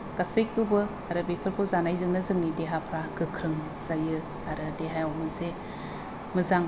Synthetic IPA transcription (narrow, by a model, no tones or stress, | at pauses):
ɡ̥asejkːɯbɯ | aɾɯbepʰɯɾkʰozanajzɯŋnɯzɯŋnideɦapʰɾaɡɯkʰɾɯŋ | z̥ajɯ | aɾɯdeɦajawmɯze | mɯzaŋ